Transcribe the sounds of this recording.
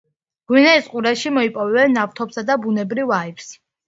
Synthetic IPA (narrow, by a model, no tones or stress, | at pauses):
ɡ̥winɛisqʼuɾaʃimɔipʼɔvɛbɛnːaft̪ʰɔpsad̪abunɛbɾivaips